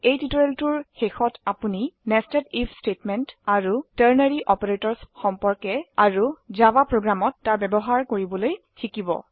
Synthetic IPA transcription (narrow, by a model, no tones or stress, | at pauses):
ejtitoeltuɹxexɔtapuninɛstɛdipʰstetmɛntaɹutəɹnaɹiʔɔpeɹetɔɹsxɔmpɔɹkɛaɹuzabapɹoɡɹamɔtːaɹbɛbɔɦaɹkoɹibɔloj | kʰikibɔ̰